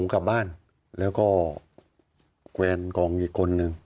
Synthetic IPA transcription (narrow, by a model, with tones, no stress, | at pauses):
ŋka˨˩p̚baː˥˩n | lɛː˦˥wkɔː˥˩ | kwɛː˧nkɔː˧˩ŋʔiː˨˩kʰːo˧nːɯ˨˧ŋ